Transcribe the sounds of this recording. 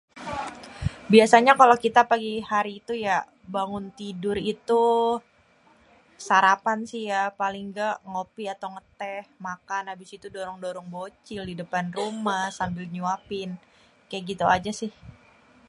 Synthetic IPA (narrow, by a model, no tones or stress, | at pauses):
biasaɲakalokit̪apaɡihaɾiːt̪uja | baŋʊnt̪idʊɾit̪u | saɾapansihjapalɪŋɡaʔŋopiat̪awŋət̪ɛhmakanabisit̪udoɾɔŋdoɾɔŋbot͡ʃɪldidəpanrumahsambɪlɲuapɪn | kajaʔɡit̪uad͡ʒasɪh